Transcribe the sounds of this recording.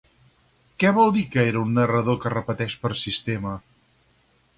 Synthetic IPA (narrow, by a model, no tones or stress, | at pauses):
kɛβɔlˠd̪ikəeɾəunːərəð̞okərəpət̪ɛʃpəɾsist̪emə